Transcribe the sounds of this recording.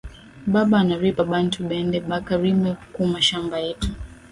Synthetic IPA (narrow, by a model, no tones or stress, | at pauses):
ɓaɓaːnaɾipaɓantʰuɓɛndɛɓakaɾimɛkumaʃambajɛtu̥